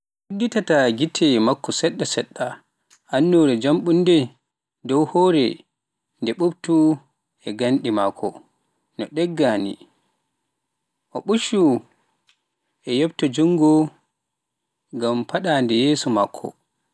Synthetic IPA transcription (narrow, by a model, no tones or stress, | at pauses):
wudːitataɡitʰɛmakːɔsɛɗːasɛɗːa | ʔanːɔɾɛd͡ʒamɓundɛ | dɔwhɔːɾɛ | ndɛɓubtu | ɛɡanɗimakʰɔ̰ | nɔɗɛɡːaːnḭ | ʔɔɓuʃu | ʔɛjɛbtɔd͡ʒuŋɡɔ | ɡampaɗandɛjeːsumakʰːɔ̰